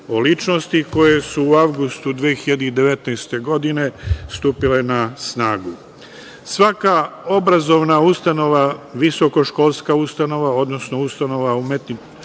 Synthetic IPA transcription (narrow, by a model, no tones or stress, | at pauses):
olit͡ʃno̞st̪iko̞je̞suːawɡust̪ud̪ʋiːxiʎad̪eid̪e̞ʋe̞t̪nɛjst̪e̞ɡo̞d̪ine̞st̪uːpile̞nasnaːɡu | sʋakao̞bɾazo̞ʋnaust̪ano̞ʋaʋisoko̞ʃko̞ːlˠskaust̪ano̞ʋao̞d̪no̞sno̞ust̪ano̞ʋaumet̪ni